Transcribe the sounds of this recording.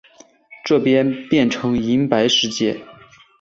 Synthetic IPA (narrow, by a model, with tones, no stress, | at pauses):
ʈ͡ʂɤ˥˩pjɛ˥npjɛ˥˩nʈ͡ʂʰɤ˧˥ŋi˧˥npa˧˥ɪʂɻ̩˧˥˧t͡ɕjɛ˥˩